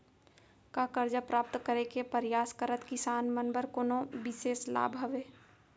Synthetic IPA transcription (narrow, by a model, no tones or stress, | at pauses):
kakəɾd͡ʒapɾaːp̚t̪kəɾekepɐɾjaːskəɾət̪kɪsaːnmənbəɾkoːnõbɪʃeːsla̰ːbʱɐʋeː